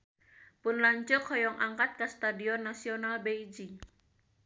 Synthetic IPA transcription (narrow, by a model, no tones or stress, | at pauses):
pʊnlaɲt͡ʃɔkʰhɔjɔŋʔaŋkat̪̚kast̪adiɔnːasiɔnalbejd͡ʒi